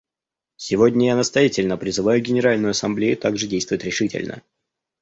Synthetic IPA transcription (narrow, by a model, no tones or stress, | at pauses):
sʲɪvodʲnʲəjanəst̪ɐjatʲɪlʲnəpɾʲɪzɨvajʊɡʲɪnʲɪɾalʲnʊjʊɐsɐmblʲejʊt̪aɡʐɨdʲejst̪vʊjɪt̪ʲɾʲɪʂɨtʲɪ̰lʲnə̰